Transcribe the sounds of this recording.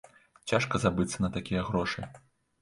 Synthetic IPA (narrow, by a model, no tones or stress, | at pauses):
t͡sʲaʂkɐzabɨt̪sːɐnɐt̪akʲijɐɣɾɔʂɨ